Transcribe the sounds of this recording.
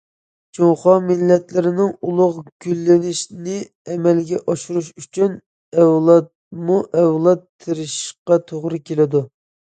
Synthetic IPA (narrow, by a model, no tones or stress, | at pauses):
t͡ʃʰoŋχɑmɪlːɛt̪lɪɾɪnɪŋulˠʊʁɡ̥ʲylːɪnɪʃnɪ | ɛmɛlɡʲɛʔɑʃuɾuʃyt͡ʃʰyn | ɛwlˠɑt̪̚ | muʔɛwlˠɑt̪ʰːɪɾɪʃqɑt̪ʰoʁɾɨkʲʰelɪd̪u